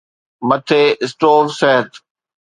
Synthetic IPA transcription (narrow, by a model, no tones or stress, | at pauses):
mɐt̪ʰeːɪsʈoːɾsɛɦət̪